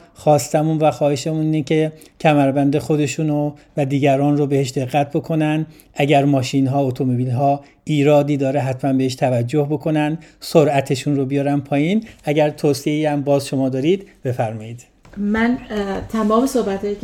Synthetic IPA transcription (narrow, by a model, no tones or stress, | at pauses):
xɒːst̪æmunvæxɒːheʃemuninecʰe̞ | cʰæmæɾbænd̪e̞xo̞d̪e̞ʃuːnovæd̪iːɟæɾɒːnrobe̞he̞ʃd̪e̞ɣːæt̪̚ʰbo̞kʰo̞nænd̪ | ʔæɟæɾmɒːʃinɦɒːot̪ʰomobilɦɒː | iːɾɒːd̪iːd̪ɒːɾeɦæt̪ʰmænbe̞heʃt̪ʰævæd͡ʒːo̞hbo̞kʰo̞nænd̪soɾʔæt̪ʰe̞ʃunrobijɒːɾæmpʰɒːjiːnæɟæɾt̪ʰoːsieiæmbɒːzʃo̞mɒːd̪ɒːɾiːd̪b̥e̞fæɾmɒːjiːd̪̥ | mænt̪ʰæmɒːmesohbæt̪hɒːje